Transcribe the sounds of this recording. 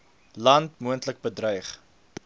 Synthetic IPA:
lɐntmuəntlək̚bədrœjχ

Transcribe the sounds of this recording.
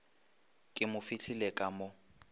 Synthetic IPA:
kʼɪmʊfɪt͡ɬʰilɛkʼamɔ

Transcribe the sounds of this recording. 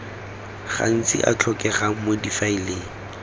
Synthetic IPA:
χa̰n̩t͡sʼɪ̰ʔa̰t͡ɬʰɔkʼɛχamodifaileːŋ̩

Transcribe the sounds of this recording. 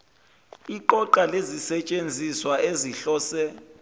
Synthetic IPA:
iǃɔǃalezisɛt͡ʃʼend͡zʱiswaeziɬɔːsɛ

